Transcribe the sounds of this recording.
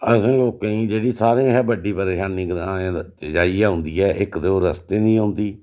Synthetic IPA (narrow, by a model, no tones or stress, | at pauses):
əsə̃ːloːkẽĩːd͡ʒeːɽiːsaːɾẽːɦɛːbəɖiːpəɾeːʃaːnːiːɡaːẽːd͡ʒaːiːɛːɦʊ̃nd̪iːɛːʔɪkd̪eoːɾəst̪eːnĩːɦõːnd̪iː